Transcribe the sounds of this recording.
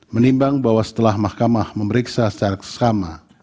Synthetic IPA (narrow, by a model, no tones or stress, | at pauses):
mənimbaŋbawasə̥t̪əlahmahkamahməməɾiksasə̥t͡ʃaɾaksə̥kama